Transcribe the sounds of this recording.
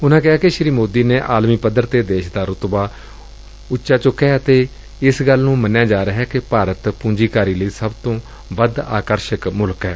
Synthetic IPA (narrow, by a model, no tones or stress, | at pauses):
ʊnãːkɪɦaːkeʃɾiːmoːd̪iːneːʔaːlmiːpəd̪ːəɾt̪eːd̪eːʃd̪aːɾʊt̪baː | ʊtːʃaːt͡ʃʊkːɛːət̪eː | ɪsɡəlnũːmənjãːd͡ʒaːɾəɦɛːkepaːɾət̪pũːɲd͡ʒiːkaːɾiːləiːsəbt̪õː | ʋəd̪a̰ːkəɾʃəkmʊlkɦɛː